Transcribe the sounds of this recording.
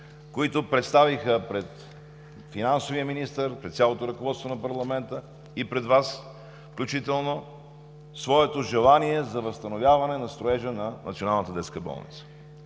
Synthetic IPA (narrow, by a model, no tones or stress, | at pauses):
koit̪opɾɛt̪st̪avixəpɾɛt̪ | finansoviəminist̪əɾpɾɛt̪sʲjalˠot̪oɾɐkovɔt̪st̪vonɐpɐɾlˠɐmɛnt̪ə | ipɾɛd̪vas | fklʲut͡ʃit̪ɛlˠno | svɔɛt̪oʒɛlˠaniɛzɐvəst̪ɐnovʲjavɐnɛnɐst̪ɾoɛʒənɐnə̰t̪sionalˠnət̪əd̪ɛt̪skəbɔ̰lˠnḭt̪sə̥